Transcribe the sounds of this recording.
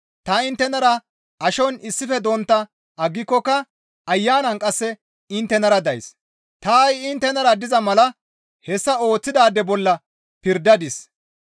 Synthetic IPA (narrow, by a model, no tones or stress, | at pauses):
t̪ɐɪnt̪ːɛnɐɾɐ | ɐʃɔnɪsːɪfɛd̪ɔnt̪ːɐ | ɐɡːɪkːɔkːɐ | ɐjːaːnɐnkʼɐsːɛ | ɪnt̪ːɛnɐɾɐd̪ɐjs | t̪ajɪnt̪ːɛnɐɾɐd̪ɪzɐmɐlɐ | hɛsːɐo̞ːt͡sːɪd̪aːd̪ːɛbɔlːɐ | pɪɾd̪ɐd̪ɪs